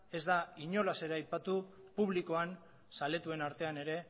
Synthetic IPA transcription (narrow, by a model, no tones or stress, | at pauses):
e̞zd̪aiɲo̞lase̞ɾaajpat̪u | puβ̞liko̞an | sale̞t̪ue̞naɾt̪e̞ane̞ɾe̞